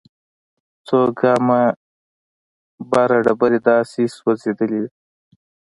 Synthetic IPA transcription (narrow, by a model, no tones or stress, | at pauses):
t͡soɡɑma | bɑɾaɖabaɾed̪ɑseswazed̪əled̪i